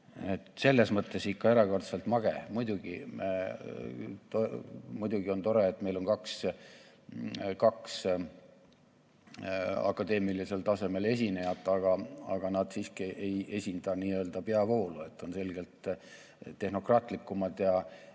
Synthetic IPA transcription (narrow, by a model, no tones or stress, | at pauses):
et̪se̞lːe̞smɤt̪ːe̞sikːɑe̞ɾɑko̞rt̪selt̪mɑɡ̥emujd̪uɡ̥ḭme | t̪omujd̪uɡio̞nt̪o̞ɾe̞ːt̪ːˑme̞jlo̞nkɑks | kɑks | ɑ̰kːˑɑd̪e̞ːmilise̞lt̪ɑse̞me̞le̞s̬ʲinejɑt̪ːˑɑɡ̥ɑɑ̰ɡ̥ɑnɑd̪̥siːskiʔe̞je̞sʲind̪̥ɑniːø̞ːld̪̥ɑpe̞ɑvo̞ːlue̞t̪ːˑo̞nse̞lɡ̥e̞lt̪ː | e̞hno̞krɑːt̪ˑlikːˑumɑd̪̥jɑ